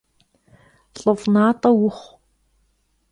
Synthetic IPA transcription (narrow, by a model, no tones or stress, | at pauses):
ɬʼɨfnaːtʼɐwʊχʷ